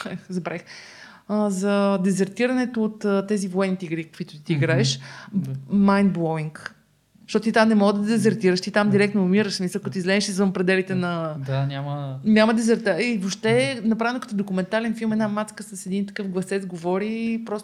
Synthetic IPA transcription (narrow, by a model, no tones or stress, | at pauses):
ɛzɐbɾɛx | əzɐd̪ɛzɛɾt̪iɾɐnɛt̪oːt̪ːɛzivoɛnːit̪iɡɾikə̥kvit̪ʊ̥t̪it̪iiɡɾaɛʃ | majnd̪̚bˠɔiŋk | ʃt̪ɔt̪ot̪it̪amnɛmɔɡəd̪ɐd̪ɛzɛɾt̪iɾəʃt̪it̪amd̪iɾɛk̚t̪noːmiɾəʃsmisəlˠkɐt̪oizlɛʃizvəmpɾɛd̪ɛlit̪ɛnɐd̪anʲaməɲʲaməd̪ɛzɛɾt̪aivopʃt̪ɛnɐpɾavɛnokə̥t̪od̪okʊmɛnt̪alɛnfilˠmɛd̪namat̪skəsəsɛd̪int̪ɐkɤfɡlˠɐsɛt̪zɡovɔɾipɾɔs